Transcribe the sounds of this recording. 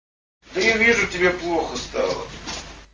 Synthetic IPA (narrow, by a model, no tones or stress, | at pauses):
d̪əjavʲiʐʊtʲɪbʲeplˠoxəst̪ɑ̰lˠə̰